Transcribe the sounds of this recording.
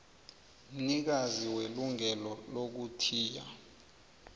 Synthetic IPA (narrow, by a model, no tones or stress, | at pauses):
m̩nik̬aziweluŋɛlɔlok̬utʰiːja̰